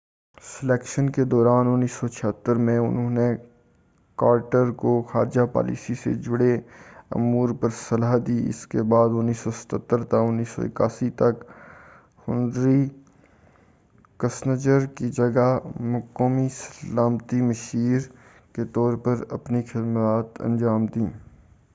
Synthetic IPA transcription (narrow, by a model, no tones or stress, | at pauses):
sɪleːkʃənked̪ɔːɾaːnʊnːiːsɔt͡ʃʰəɦt̪ːəɾmẽʊ̰nɦõːne | kaːɾʈəɾkoxaːɾd͡ʒapa̰ːlḭːsisḛd͡ʒʊɽeɐ̰muːɾpəɾsɐlaɦd̪iːɪ̰skebaːd̪ʊnːiːsɔsɐ̥t̪ət̪ːəɾt̪akʊnːiːsɔ̰ɪ̰ka̰ːsit̪ɐk | hʊnd̪ɾi | kəsnəd͡ʒəɾkid͡ʒɐɡamʊkːoːmisəlaːmt̪iməʃiːɾ | ket̪ɔːɾpəɾɐpnixɪd̪maːt̪ə̰̃nd͡ʒaːmd̪iː